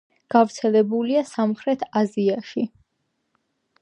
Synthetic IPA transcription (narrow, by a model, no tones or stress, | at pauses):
ɡ̥avɾt̪sʰɛlɛbuliasamχɾɛt̪ʰaziaʃi